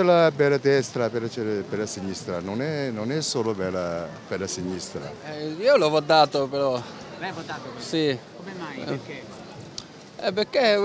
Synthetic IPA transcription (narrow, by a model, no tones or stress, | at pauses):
elabɛlad̪ɛst̪ɾapeɾat͡ʃɛpeɾlasiɲːist̪ɾanonɛnonɛsːoːlopɛlapeɾasiɲːist̪ɾa̰ɛiːolovɔd̪ːaːt̪opeɾɔ | asika | ɛpːekːe